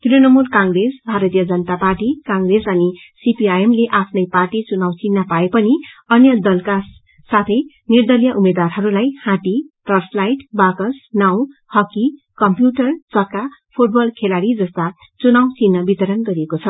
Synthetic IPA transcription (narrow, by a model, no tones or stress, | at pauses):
t̪uɾonʌmulkaŋɡɾesbʱaɾʌt̪ijʌd͡zʌnʌt̪aparʈikaŋɡresʌnisipiajemleʔapʰnʌjparʈit͡sunawt͡sinːapaepʌniʌnjʌd̪ʌlka | sat̪ʰʌj | nird̪ʌljʌʔumed̪warɦʌɾulajhãt̪iʈʌrslajʈbakʌsnaw̃hʌki | kʌmpjuʈʌrt͡sʌkːapʰuʈ̚bʌlkʰelaɽid͡zʌst̪a | t͡sunaw̃t͡sinːʌbit̪ʌɾʌnɡʌɾiekot͡sʰʌ